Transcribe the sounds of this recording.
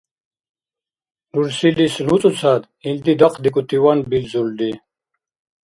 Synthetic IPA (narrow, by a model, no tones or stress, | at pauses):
nuɾsilislut͡sʼut͡sʰad̪ | ind̪id̪aqʰd̪ikʼut̪iwanbilzuld̪i